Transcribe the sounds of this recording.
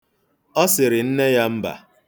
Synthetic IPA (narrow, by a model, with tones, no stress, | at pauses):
ɔ˦sɪ˨ɾɪ˨n̩˦ne˦ja˦m̩˦ba̰˨